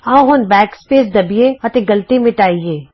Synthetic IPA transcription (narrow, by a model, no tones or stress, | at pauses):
aõɦonbɛːkspeːs̬d̪ɐbijeɐt̪eɡɐlt̪imẽʈaːieː